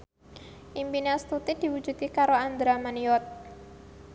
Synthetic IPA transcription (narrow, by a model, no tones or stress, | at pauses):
ʔimpinast̪ut̪id̪̥i̤wu̥d͡ʒṳd̪̚kikaɾoand̪ɾamaniɔt̪̚